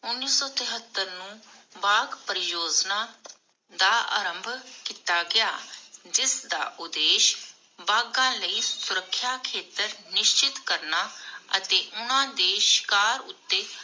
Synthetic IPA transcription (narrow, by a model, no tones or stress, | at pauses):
ʊnːiːsɔːt̪əɦət̪ːəɾnũːbaːɡpəɾɪjoːd͡ʒnãː | d̪aːʔa̰ːɾə̃mbʱkiːt̪aːɡɪaːd͡ʒɪsd̪a̰ːʔʊd̪eːʃ | baːɡãːləiːsʊɾəkʰːjaːkʰeːt̪əɾnɪʃt͡ʃɪt̪kəɾnaːət̪eːʔʊnãːd̪eːʃɪ̥kaːɾʊ̰t̪ːeː